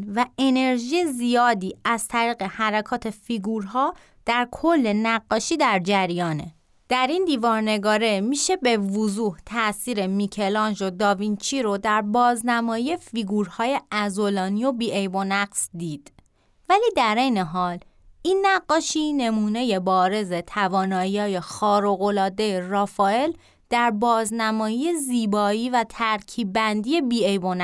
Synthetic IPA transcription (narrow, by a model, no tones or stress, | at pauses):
væe̞ne̞ɾʒiːjezijɒːd̪iːæzt̪ʰæɾiːɣe̞hæɾækʰɒːt̪ʰe̞fiɡuːɾɦɒː | d̪̥æɾkʰolːe̞næɡːɒːʃiːd̪æɾd͡ʒæɾjɒːnḛ | d̪̥æɾind̪iːvɒːɾne̞ɡɒːɾemiːʃe̞be̞vozuːht̪ʰæʔsiːɾe̞micʰe̞lɒnʒod̪ɒːvint͡ʃʰiːɾod̪æɾbɒːznæmɒːjiefiɡuːɾhɒːje̞æzo̞lɒːnijo̞biːʔejbonæɡz̥d̪iːd̪̥ | væliːd̪æɾe̞jne̞ɦɒːl | ʔiːnːæɡːɒːʃiːne̞muːne̞jebɒːɾe̞ze̞t̪ʰævɒːnɒːjiɒːje̞xɒːɾo̞ɣo̞lɒːd̪ejerɒːfɒːe̞l | d̪̥æɾbɒːznæmɒːjije̞ziːbɒːiːvæt̪ʰæɾcʰiːbænd̪ije̞biːejbonæ